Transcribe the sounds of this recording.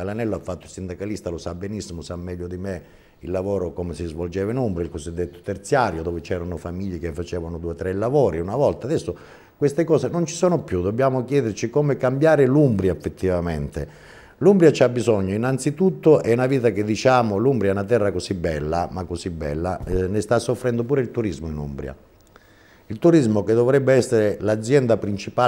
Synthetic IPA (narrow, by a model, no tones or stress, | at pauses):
lanɛlːoafːat̪ːʊilsind̪akalist̪alosabːɛnisːimosamːɛʎːod̪ime | ilːavoːɾokomesizvold͡ʒɛːvainumbɾilkozid̪ːet̪ːo̥t̪ert̪sjaːɾjod̪ɔːvet͡ʃɛːɾanʊfamiʎːekefːat͡ʃɛːvanʊd̪uːet̪ɾɛlːavoːɾiunavɔlt̪ad̪ɛsːo | kwest̪ekɔːsenont͡ʃi̥sɔːnopjud̪obːjaːmokjɛːd̪ert͡ʃikomekambjaːɾɪlumbɾjaefːet̪ʰːivament̪e | lumbɾjat͡ʃiabːizɔɲːoinant̪sit̪ut̪ːoʔɛunaviːt̪aked̪ːit͡ʃaːmolumbɾjaunat̪̬ɛrːakosibːɛlːa̰makːosibːɛ̰lːa̰nɪst̪asːofːɾɛnd̪op̬uːɾeilt̪uɾizmoinṵmbɾja̰ | ilt̪uɾizmoked̪ːovɾɛbːeɛsːeɾelad̪zːjɛnd̪apɾint͡ʃipaː